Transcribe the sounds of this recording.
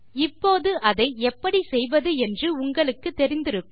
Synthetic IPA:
ɪpːoːðɯɐðɐɪɛpːɐɽisɛjʋɐðɯɛndrɯʊŋɡɐɭɯkːɯt̪ːɛɾɪnd̪ɪɾɯkː

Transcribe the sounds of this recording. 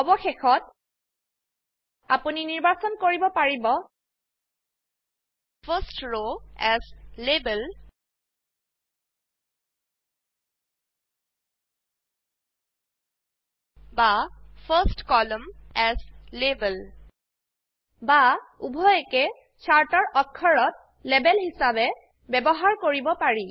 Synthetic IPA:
ɔbɔxexɔt̚ | a̰puniniɹbasɔnkoɹibɔpaɹibɔ | fʰəsʈɹoɛzlebəl | bafʰəsʈkɔləmɛzlebəl | baubʱɔekɛ | t͡ʃʰaɹtɔɹʔɔkʰːɔɹɔt̚ | lebɛlhisabɛ | bɛbɔɦaɹkoɹibɔpaɹi

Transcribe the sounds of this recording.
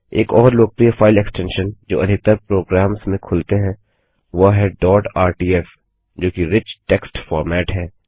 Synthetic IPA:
eːkɔːɾloːk̚pɾijafʰaːɪlɛksʈɛ̃ːnʃənd͡ʒo̰ːɐd̪ʱɪk̚t̪əɾpɾoːɡɾaːmsmẽkʰʊlt̪eɦɛ̃ | ʋoɦɛɖɔːʈaːɾʈiːɛf | d͡ʒoːkiɾɪt͡ʃʈɛːksʈfɔːɾmɛːʈɦɛː

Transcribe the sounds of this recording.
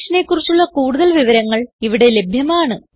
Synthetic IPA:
ʂɐnekːurit͡ɕːuɭːɐkuːɽuðɐlʋiʋɐɾɐŋːɐɭiʋiɽe̞le̞bʱjɐmaːɳɨ

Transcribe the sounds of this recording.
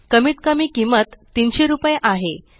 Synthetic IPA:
kəmiːt̪kəmiːkimət̪ːinɕeɾupjeʔaɦe

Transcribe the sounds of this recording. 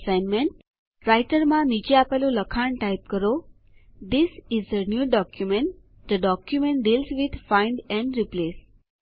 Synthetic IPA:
saɪnmẽɳʈ̚ | ɾaɪʈəɾmãnid͡ʒeapaloləkʰaɳʈaɪp̚kəɾo | d̪ɪsɪzənjuːɖɔkjumẽɳʈ | d̪əɖɔkjumẽɳʈ̚ɖiːlsʋɪd̪ʱfãɪ̃ɳɖɛ̃ɳɖɾipleːs

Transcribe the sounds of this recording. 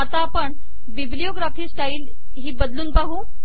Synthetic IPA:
at̪apəɳ | ʋiblijoɡɾafiːsʈail | ɦiːbəd̪luːnpaɦuː

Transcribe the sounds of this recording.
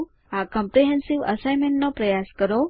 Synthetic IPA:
akə̃mpɾiɦɛnsiʋə̰sajmẽɳʈnopɾəjaskəɾo

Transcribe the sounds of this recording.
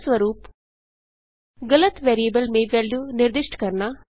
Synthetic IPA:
sʋɐɾuːp | ɡɐlɐt̪ʋeːɾieːbɐlmeːʋeːljuːniɾd̪ɪʂʈkɐɾnɐ

